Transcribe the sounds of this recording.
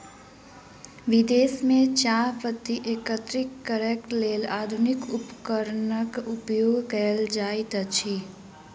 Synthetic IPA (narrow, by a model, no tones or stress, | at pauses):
ʋɪd̪eːsmẽt͡ʃaːpət̪ːiʔeːkət̪ɾɪkːəɾeːkʈleːlaːd̪ʱʊnɪkʊpkəɾnəkʊpjoːɡʱkəld͡ʒaːit̪ət͡ʃʰi